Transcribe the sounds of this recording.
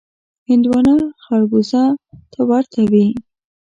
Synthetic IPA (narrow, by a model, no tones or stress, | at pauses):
hɪnd̪wɑnaxaɾɡuzat̪ʰawaɾt̪ʰawi